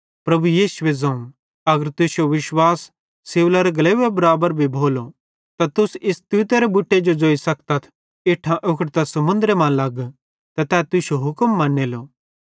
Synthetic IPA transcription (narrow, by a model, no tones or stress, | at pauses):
pɾɐbujiːsʊʋezɐ̃ũ | ɐɡəɾt̪ʊsjoʋɪʃwaːsː | eːʋlaɾeɡɐleːʋebɐɾaːbəɾbʱibʱoːlo | t̪at̪ʊsɪst̪ut̪eɾebʊʈːed͡ʒod͡ʒoːisɐkt̪ɐt̪ʰ | ɪʈʰãʔʊkʰəʈt̪asɐmʊ̃nd̪ɾemɐ̃lɐɡ | t̪at̪ɛːt̪ʊsjoɦʊkəmːɐ̃nːeloː